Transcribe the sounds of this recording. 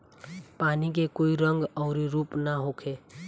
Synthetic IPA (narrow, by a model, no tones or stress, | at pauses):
paːnikekoːiɾə̃ŋɡɔːɾiɾuːpnaɦoːkʰeː